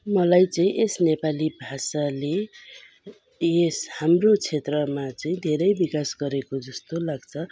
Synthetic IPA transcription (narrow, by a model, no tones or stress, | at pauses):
mʌlajt͡sʌĩʔesnepalibʱasale | eshamrot͡sʰet̪rʌmat͡sʌĩd̪ʱeɾʌjbikasɡʌɾekod͡zʌst̪olaɡt͡sʰʌ